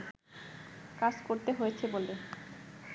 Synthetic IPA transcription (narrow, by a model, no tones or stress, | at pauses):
kad͡ʑkoɾt̪eɦojet͡ɕʰebole